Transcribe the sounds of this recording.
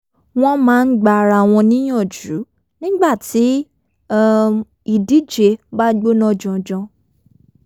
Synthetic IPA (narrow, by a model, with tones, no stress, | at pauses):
w̃ɔ̃˦mãː˦˧n̩˦ɡ͡ba˧˨ɾa˨w̃ɔ̃˧nĩ˦j̃ɔ̃˦˨d͡ʒu˨˦ | nĩ˦ɡ͡ba˦˨ti˨˦ | i˨di˨˦d͡ʒe˧ba˦ɡ͡bo˦nɔ̃˦d͡ʒɔ̃˨d͡ʒɔ̃˧